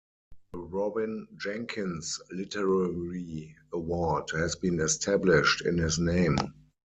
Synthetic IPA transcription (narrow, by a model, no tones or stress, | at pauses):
ɹɔbɪ̃nd͡ʒæ̃ŋkʰɪ̃nslɪtʰəɹaɹiəwɔdhɛzbĩːnɛstʰæblɪʃtɪ̰̃nhɪsnẽɪ̃m